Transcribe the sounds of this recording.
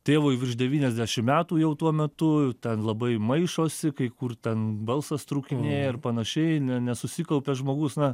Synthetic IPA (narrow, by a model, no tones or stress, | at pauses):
t̪ʲeːʋoːjʋʲɪrʃdʲɛʋʲiːnʲɛzʲd̪ʲæʃʲɪmmʲæːt̪uːjɛʊt̪uɔmʲɛt̪ʊt̪ʲɛnlˠɐbɐɪmɐɪʃoːsʲɪkɐɪkʊrt̪ʲɛnbɐlˠsɐst̪ɾuːkʲɪnʲeːjɛɪrpɐnɐʃʲɛɪnʲɛnʲɛsʊsʲiːkɐlʲˠpʲɛʒmoːɡʊsnɐ